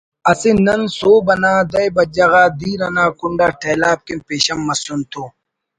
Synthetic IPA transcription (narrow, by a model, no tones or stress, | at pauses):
ɐsinɐnsoːbɐnaːd̪ɐjbɐd͡ʑɐɣaːd̪iːɾɐnaːkuɳɖaːʈʰeːlaːb̚kimpeːɕɐmːɐsunt̪ʰoː